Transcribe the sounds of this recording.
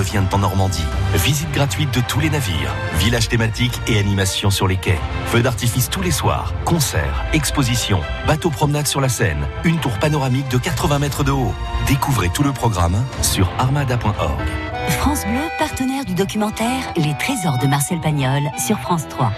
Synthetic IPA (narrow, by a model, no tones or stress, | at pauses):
əvjɛ̃t̪ɑ̃nɔʁmɑ̃d̪ivizit̪̚ɡʁat̪ɥit̪̚d̪ət̪ʰulenavḭːʁ | vilaʒt̪emat̪ikeanimasjɔ̃syʁlekʲɛfød̪aʁt̪ifist̪uleswa̰ːʁkɔ̃sɛ̰ʁɛkspozisjɔ̰̃ | bat̪opχɔmnad̪syʁlasɛ̰nynt̪uʁpanɔʁamik̚d̪əkat̪χəvɛ̃mɛt̪χəd̪əo | d̪ekuvʁet̪uləpχɔɡʁa̰msyʁaʁmad̪apwɛ̃ʔɔ̰ʁɡ | fχɑ̃sbløpaʁt̪ənɛʁd̪yd̪ɔkʲymɑ̃t̪ɛʁlet̪χezɔʁd̪əmaʁsɛlpaɲɔlsyʁfχɑ̃st̪χwa